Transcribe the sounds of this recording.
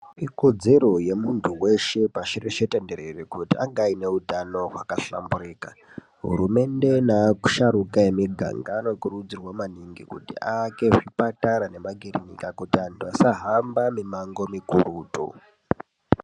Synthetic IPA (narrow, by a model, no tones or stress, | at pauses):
iko̞d͡ze̞ɾo̞je̞muntʰuwe̞ʃe̞paʃireʃetende̞ɾerekutiaŋɡaine̞utano̞ɦwakaɬa̰mbuɾeːka | ɦṵɾume̞nde̞naːku̥ʃaɾukajemiɡʱa̰ŋɡaːno̞kurud͡zirwamaniŋɡikṵtḭʔake̞ʐipataɾane̞maɡʱiɾiɲḭkakutiantʰuasaɦambamimaŋɡo̞mikuɾuːto̰